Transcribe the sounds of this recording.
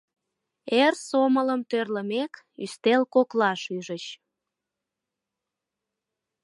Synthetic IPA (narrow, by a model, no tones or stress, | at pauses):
ersomələmt̪ørləmek | y̰st̪elkoklɑʃyʒət͡ɕ